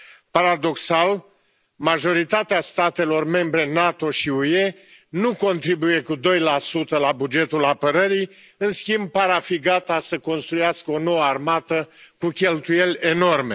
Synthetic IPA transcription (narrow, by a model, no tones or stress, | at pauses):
paɾad̪o̞ksal | maʒo̞ɾit̪at̪east̪at̪e̞lo̞rme̞mbɾe̞nat̪o̞ʃiuje̞ | nuko̞nt̪ɾibuje̞kud̪o̞jlasut̪əlabud͡ʒe̞t̪ulapəɾəɾi | ɨnskʲimb̚paɾafiɡat̪asəko̞nst̪ɾujaskəo̞no̞wəarmat̪əkukʲe̞lt̪uje̞lʲe̞no̞rme